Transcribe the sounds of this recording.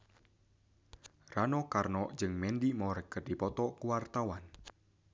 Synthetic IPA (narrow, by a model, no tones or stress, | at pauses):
ranɔkarnɔʔd͡ʒɨŋmɛndimɔɾəkərdipɔt̪ɔkuwart̪awan